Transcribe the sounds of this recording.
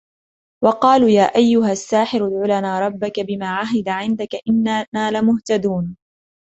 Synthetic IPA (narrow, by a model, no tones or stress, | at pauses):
wɑqɑːluːjaːʔajːʊɦasːaːħɪɾʊd̪ʕʊlanaːɾˤɑbːakabɪmaːʕaɦɪd̪aʕɪnd̪akaʔɪnːanaːlamʊht̪ad̪uːn